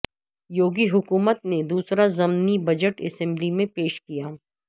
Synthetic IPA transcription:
joːɡiɦʊkuːmət̪ned̪uːsɾazɐmnibɐd͡ʒəʈɛ̰sɛ̃mblimẽpeːʃkijaː

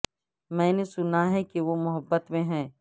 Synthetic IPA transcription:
mɛ̃ːnesʊnaɦɛkeʋomʊɦəbːət̪mẽɦɛ̃ː

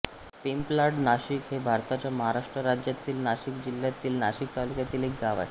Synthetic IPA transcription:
pimplaɖnaʃikɦebʱaɾt̪at͡ɕamɔɦaɾaʃʈɾoɾad͡ʑet̪ːilnaʃikd͡ʑilːat̪ːilnaʃik̚t̪aluket̪ilikɡaʋa̰

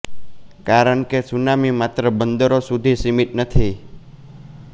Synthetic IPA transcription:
kaɾəɳkesunamimat̪ɾəbənd̪əɾosud̪ʱisimiʈnət̪ʰi

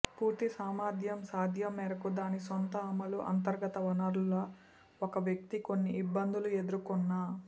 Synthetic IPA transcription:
puːɾt̪isaːmaːd̪ʱjɐmsaːd̪ʱjɐmːɛːɾɐkud̪aːnisont̪ɐːmɐluʔɐ̰nt̪ɐɾɡɐt̪ɐʋɐnɐɾuloː | okɐʋjɐk̚t̪ikonːiːbːɐnd̪ulue̞d̪uɾukunːa

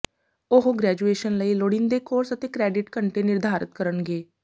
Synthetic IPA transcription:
ʊɦɡɾɛːd͡ʒueːʃənləiːloɽɪnd̪eːkoːɾsət̪eːkɾɛːɖɪʈkəɳʈeːnɪɾd̪ʱaːɾɪ̰t̪̚kəɾənɡeː

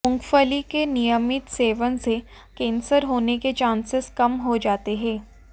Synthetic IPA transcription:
ʊ̃ŋɡfəlikenijəmɪt̪seːʋənse | kẽːnsəɾɦoːneket͡ʃãːnsɪskɐmɦod͡ʒaːt̪eɦɛ̃ː

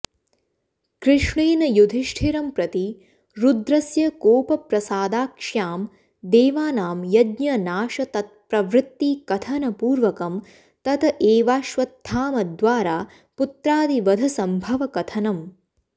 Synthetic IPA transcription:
kɾɪʂɳeːnɐjud̪ʱiʂʈʰiɾɐmpɾɐt̪i | ɾud̪ɾɐsjɐkoːpɐpɾɐsaːd̪aːkʂjaːm | d̪eːʋaːnaːmjɐd̪ɲɐnaːʂɐt̪ɐt̪̚pɾɐʋɾɪt̪ːikɐt̪ʰɐnɐpuːɾʋɐkɐm | t̪ɐt̪ʰɐʔeːʋaːʃʋɐt̪ʰːaːmɐd̪ʋaːɾaː | put̪ɾaːd̪iʋɐd̪ʱɐsɐmbʱɐʋɐkɐt̪ʰɐnɐm

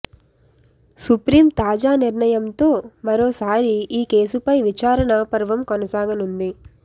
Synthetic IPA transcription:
supɾiːmt̪aːd͡ʒaːniɾɳɐjɐmt̪o̞ːmɐɾoːsaːɾiʔiːke̞ːsupɐjʋit͡ʃaːɾɐɳɐpɐɾʋɐmkɔnɐsaːɡɐnund̪i

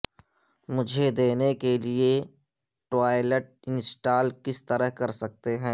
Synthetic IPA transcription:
mʊd͡ʒʱed̪eːnekelie | ʈwaːɪleʈ̚ɪ̃nsʈaːlkɪst̪ɐɾəɦkɐɾsɐk̚t̪eɦɛ̃ː

